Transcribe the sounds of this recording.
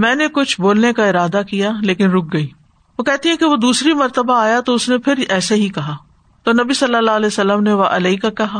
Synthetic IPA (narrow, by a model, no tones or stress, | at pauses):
mɛ̃ːnekʊt͡ʃʰboːlnekaɪɾaːd̪akijaleːkɪnɾʊk̚ɡɐiː | ʋoːkɛɦt̪iɦɛ̃keʋod̪uːsɾimɐɾt̪əbaːjat̪oʊsnepʰɪɾɛːseɦikɐɦaː | t̪onɐbisɐlːəlaɐlɛsɐlːəmneʋaʔɐlɐikakɐɦaː